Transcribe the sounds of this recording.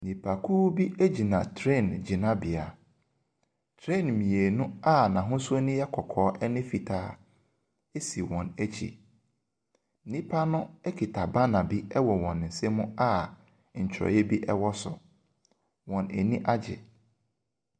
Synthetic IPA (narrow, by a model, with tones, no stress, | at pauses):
nĩ˨pʰa˨kʰuː˦bi˦ʔe˦d͡ʑi˨nã˨tʰɾẽ˦˨nd͡ʑi˨nã˦bi˨a˨ | tʰɾẽ˦˨nmĩ˨e˨nʊ̃˦a˦nã˨ɦʊ̃˦su˦o˦nʊ̃˦jɛ˦kʰɔ˨kʰɔː˨˦ʔɛ˦nɪ̃˦fi˨tʰaː˦ | e˦si˨wɔ̃˨næ˦t͡ɕʰḭ˨ | nĩ˦pʰa˦nʊ̃˦ɛ˦kʰi˨tʰa˨ba˦nã˨bi˦ɛ˦wɔ˨wɔ̃˨n̩˨se˦mʊ̃˦a˦ | ɲ̩˨t͡ɕʰɾɔ̰˨jɛ˦bi˦ʔɛ˦wɔ˦sʊ˨ | wɔ̃˨ne˨nĩ˦ʔa˦d͡ʑɪ̰˨